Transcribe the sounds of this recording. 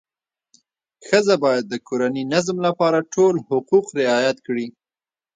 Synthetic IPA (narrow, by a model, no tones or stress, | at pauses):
xəzabɑjad̪̚ːəkoɾaninazmlapɑɾaʈʰolhʊquqɾɪɑjat̪kɽi